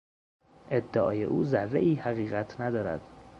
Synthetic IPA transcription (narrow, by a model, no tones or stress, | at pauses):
ʔe̞d̪ːeʔɒ̰ːje̞̰ʔuːzærːḛʔiːhæɣiːɣæt̪ʰnæd̪ɒːɾæ̰d̪̥